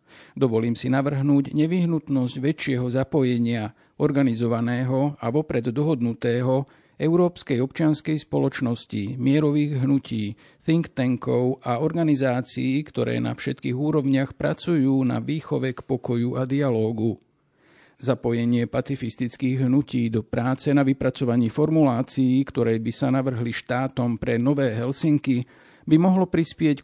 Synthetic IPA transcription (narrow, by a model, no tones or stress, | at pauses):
d̪ɔʋɔliːmsinaʋr̩ɦnuːɟɲɛʋiɦnut̪nɔzɟʋɛt͡ʃɪɛɦɔzapɔjɛɲɪa | ɔɾɡanizɔʋanɛːɦɔaʋɔpɾɛd̪d̪ɔɦɔd̪nut̪ɛːɦɔ | ɛʊɾɔːpskɛjɔpt͡ʃɪanskɛjspɔlɔt͡ʃnɔscimɪɛɾɔʋiːɣɦnuciː | θiŋkt̪ɛŋkɔʊʔaɔɾɡanizaːt͡siːkt̪ɔɾɛ̰ːna̰fʃɛt̪kiːɣuːɾɔʊɲɪaxpɾa̰t͡sujuːna̰ʋiːxɔʋɛkpɔkɔjuʔad̪ialɔːɡu | zapɔjɛɲɪɛpat͡sifist̪it͡skiːɣɦnuciːd̪ɔpɾaːt͡sɛnaʋipɾat͡sɔʋaɲiːfɔɾmulaːt͡siːkt̪ɔɾɛːbisanaʋr̩ɦliʃt̪aːt̪ɔmpɾɛnɔʋɛːɦɛlsiŋki | bimɔɦlɔpɾispɪɛc